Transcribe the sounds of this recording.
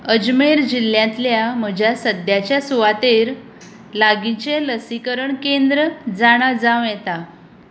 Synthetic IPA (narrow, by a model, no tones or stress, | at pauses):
əd͡ʑmeɾd͡ʑilːjãnt̪ljam̤əd͡ʑʱjasəd̪jat͡ɕjasuʋat̪eɾ | laɡit͡ɕeləsikəɾəɳkend̪ɾəd͡zaɽ̃ad͡zãʋjɛt̪a